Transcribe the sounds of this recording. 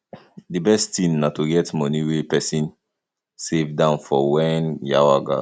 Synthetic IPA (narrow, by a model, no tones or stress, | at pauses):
dibɛstĩnnatuɡɛtmɔniwepɛsĩn | sevdãʊ̃nfɔwɛnjawaɡa̰